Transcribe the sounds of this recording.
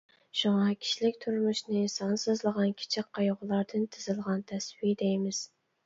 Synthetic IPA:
ʃuŋɑkʲʰi̥ʃlɪkʲt̪ʰʊɾmʊʃnɪsɑnsɨzlˠɨʁɑnkʲʰɪ̥t͡ʃʰɪkʰːɑjoʁʊlˠɑɾd̪ɨnt̪ʰɪzɪlˠʁɑnt̪ʰæswid̪ejmɪz̥

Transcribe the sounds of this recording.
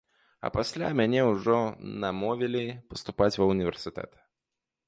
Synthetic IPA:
ɐ̰pasʲlʲa̰mʲanʲɛwuʐɔnɐmɔvʲelʲipəst̪ʊpat͡sʲvɐunʲɪvʲɛrsɨt̪ɛ̰t̪

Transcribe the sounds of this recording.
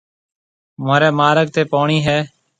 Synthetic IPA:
maːɾeːmaːɾəɡ̚t̪eːpoːɳiːɦɛː

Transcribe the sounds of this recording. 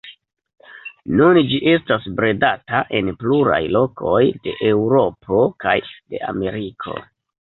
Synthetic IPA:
nund͡ʒiʔe̞stasbɾe̞dataʔe̞npluɾa̰jlo̞kʰo̞jde̞̰ʔe̞wɾo̞pʰo̞kajde̞̰a̰me̞ɾikʰo̞̰

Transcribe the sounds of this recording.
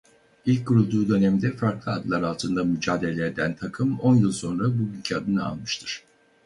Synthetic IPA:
ilʲc̚ɡuɾulˠd̪uːd̪ø̞nɛmd̪ɛfaɾklˠɯad̪lˠaɾalˠt̪ʰɯnd̪amyd͡ʒaːd̪eelʲeed̪ænt̪ʰakʰɯmo̞njɯlˠso̞nɾabubynʲcʰɛad̪ɯnɯa̰lˠmɯʃt̪ʰɯɾ̥

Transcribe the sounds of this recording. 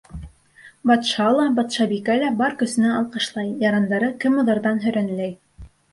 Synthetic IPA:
bɑt̪ʃɑlˠɑbɑt̪ʃɑbikælæbɑɾkɵ̆sɘ̆næɑlˠqɤ̆ʃlˠɑjjɑɾɑnd̪ɑɾɤkɘmŏðɑ̆ɾðɑnɦɵ̆ɾænlæj

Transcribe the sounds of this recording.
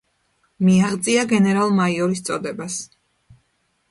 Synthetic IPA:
miaʁd̪zʼiaɡɛnɛɾalˠmaiɔɾist̪sʼɔd̪ɛbas

